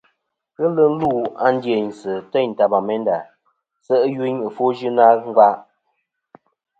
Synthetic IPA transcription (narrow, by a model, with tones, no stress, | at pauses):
ɣə˦lɨ˦n̩˦lu˦˨a˦n˦dje˨ɲ˨sɨ˨tɛ˦˨ɲ̩˨ta˨ba˨mɛ˦nda˨ | sə˦ʔji˦ɲə˨fo˦ʒɨ˦na˦ŋ̩˦ɡa˦ʔ